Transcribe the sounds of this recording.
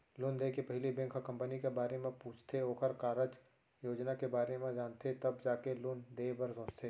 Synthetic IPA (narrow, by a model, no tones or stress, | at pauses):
lʊnd̪eːkepɐɦɪlibẽːŋkakɐ̃mpənikebaːɾemẽpuːt͡ʃʰt̪ʰeoːkəɾkaːɾəd͡ʒ | joːd͡ʒnakebaːɾemẽd͡ʒaːnt̪et̪ɐbd͡ʒaːkelʊnd̪eːbɐɾsõːt͡ʃt̪ʰeː